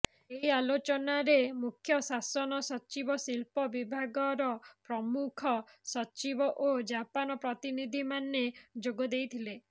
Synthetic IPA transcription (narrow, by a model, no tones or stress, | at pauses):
eɦialot͡ʃɔnaɾemukʰjɔsasɔnɔsɔt͡ʃibɔsilpɔbibʱaɡɔɾɔpɾɔmukʰɔsɔt͡ʃibɔʔod͡ʒapanɔpɾɔt̪inid̪ʱimaned͡ʒoɡɔd̪ejt̪ʰile